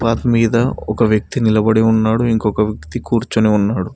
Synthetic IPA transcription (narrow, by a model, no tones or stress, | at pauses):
paːt̪miːd̪ɐɔkɐʋjɐk̚t̪inilɐbɐɽeunːaːɽuiŋkokɐʋjɐkt̪ikuːɾt͡ʃuːneːunːaːɽu